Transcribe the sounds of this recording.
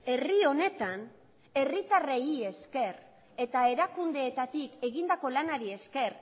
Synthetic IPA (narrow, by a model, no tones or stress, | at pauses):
e̞rio̞ne̞t̪an | e̞rit̪areie̞ske̞r | e̞t̪ae̞ɾakund̪e̞ːt̪at̪ike̞ɣind̪ako̞lanaɾie̞ske̞r